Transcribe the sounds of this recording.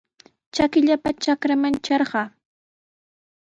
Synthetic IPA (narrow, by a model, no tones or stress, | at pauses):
t͡ʃakɪʎapat͡ʃakɾamant͡ʃɑɾɢɑː